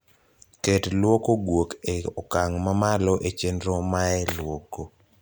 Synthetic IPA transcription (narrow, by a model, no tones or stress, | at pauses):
ketlwɔkoɡwokeɔkaŋmamalɔʔet͡ʃendɾomaɛlwɔko